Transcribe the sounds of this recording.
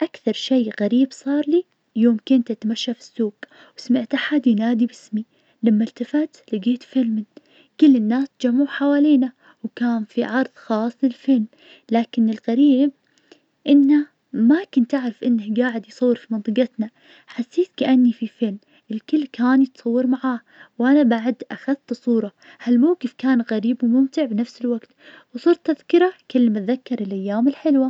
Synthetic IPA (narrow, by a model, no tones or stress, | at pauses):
ʔakθɑɾˤʃejɣaɾiːbsˤɑːɾˤli | joːmkʊnt̪ʔat̪maʃːafi̥sːuːɡ | wsmɪʕt̪ʔaħad̪jnaːd̪ibɪsmi | lamːalt̪afat̪lɪɡeːt̪fɪlmɪn | kʊlːɪnːaːst̪d͡ʒamːʊħawaːliːna | wkaːnfiʕɑɾˤðˤxɑːsˤlɪlfɪlm | laːkɪnɪlɣaɾiːb̚ | ʔɪnːa | makʊnt̪ʔaʕɾɪfʔɪnːahɡaːʕɪd̪jsˤɑwːɨɾfimɑnt̪ˤɨqɪt̪na | ħasːeːt̪kaʔanːififɪlm | ʔɪlkɪlːkaːnjɪt̪sˤɑwːɨɾmaʕaːh | wʔanabaʕd̪ʔaxaðt̪sˤuːɾˤɑ | halmawqɪfkaːnɣaɾiːbwmʊmt̪ɪʕbnafsɪlwaɡt̪wsˤɨɾˤt̪ːaðkɪɾakɪlːmat̪ðakːɑɾˤɪlʔajːaːmɪlħɪlwa